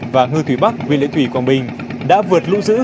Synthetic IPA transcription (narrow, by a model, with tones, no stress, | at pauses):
vaː˨˩ŋɨ˧t̪ʰwi˧˩ɓa˦˥k̚wḭ˧˨nlḭ˧˥t̪ʰwi˨˩kwaː˧˩nɓï˨˩ŋ̟ | ɗa̰ː˧˥vɨ˨˩ət̚lṵ˧˥zɨ̰˧˥